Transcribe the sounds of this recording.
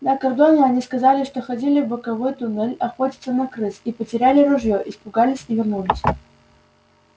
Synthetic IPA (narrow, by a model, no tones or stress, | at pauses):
nəkɐrd̪onʲɪɐnʲiskɐzalʲɪʂt̪oxɐdʲilʲɪvbəkɐvojt̪ʊnɛlʲɐxo̞tʲɪt̪sənɐkɾɨsipətʲɪɾʲælʲɪɾʊʐjoʔɪspʊɡalʲɪsʲivʲɪrnulʲɪsʲ